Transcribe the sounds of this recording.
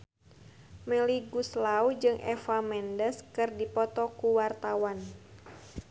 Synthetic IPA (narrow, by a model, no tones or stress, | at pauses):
mɛliɡuslaud͡ʒɨŋɛ̰famɛndəskɨrdipɔt̪ɔkuwart̪awan